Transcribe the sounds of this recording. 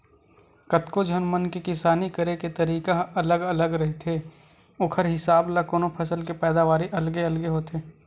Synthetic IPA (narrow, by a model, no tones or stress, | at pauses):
kɐt̪kod͡ʒʱɐnmənkekɪsaːnikɐɾeket̪ɐɾiːkaɐləɡɐləɡɾɐɦit̪ʰe | ʊkʰəɾɦɪsaːblakoːnopʰɐsəlkepɛːd̪aʋaːɾiʔɐlɡeɐlɡeɦoːt̪ʰeː